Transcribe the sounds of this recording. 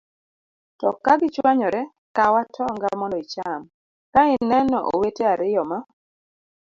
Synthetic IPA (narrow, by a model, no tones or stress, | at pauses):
tɔkaɡɪt͡ʃwaɲɔɾɛ | kawatʰɔŋɡamɔndɔit͡ʃam | kaɪnɛnɔʔo̰weteaɾɪjɔma